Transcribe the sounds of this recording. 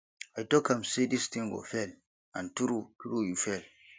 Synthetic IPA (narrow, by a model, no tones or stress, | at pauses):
ajtɔkamsedistĩŋɡɔ̰fɛl | ãntuɾutuɾujufɛl